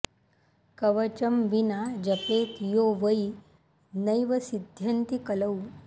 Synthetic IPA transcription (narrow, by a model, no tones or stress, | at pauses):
kəʋət͡ɕəmʋinad͡ʑəpet̪joʋəi | nəjʋəsid̪ʱjənt̪ikələw